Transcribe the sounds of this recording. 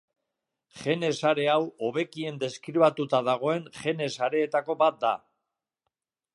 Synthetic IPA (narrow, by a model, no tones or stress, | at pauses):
χe̞ne̞saɾe̞awo̞βe̞kie̞nd̪e̞skɾiβat̪ut̪aðaɣ̞o̞e̞ŋʝe̞ne̞saɾe̞ːt̪ako̞bat̪̚d̪a̰